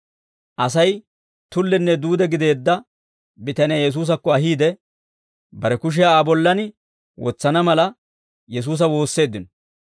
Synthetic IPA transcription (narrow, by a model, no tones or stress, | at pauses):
ʔɐsɐj | t̪ʊlːɛnːɛd̪uːd̪ɛɡɪd̪e̞ːd̪ːɐ | bɪt̪ɐnɪjaːjɛs̬uːs̬ɐkːɔɐɦiːd̪ɛ | bɐɾɛkʊʃ̬ɛaːbɔlːɐnɪ | wɔ̰t͡sːɐnɐmɐlɐ | jɛs̬uːs̬ɐwo̞ːsːe̞ːd̪ːɪnɔ